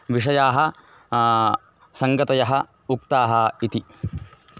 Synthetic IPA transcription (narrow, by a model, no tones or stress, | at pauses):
ʋiʂɐjaːɦɐ | sɐŋɡɐt̪ɐjɐɦɐ | uk̚t̪aːɦɐit̪i